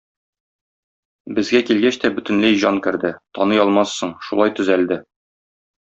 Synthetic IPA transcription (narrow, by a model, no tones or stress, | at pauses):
bɘ̆zɡækilɡæɕt̪æbɵ̆t̪ɘ̆nlæjʑɒŋkɘ̆ɾd̪ɘt̪ɒnɤjɒlˠmɑsːɤɴʃulˠɑjt̪ɵ̆zæld̪ɘ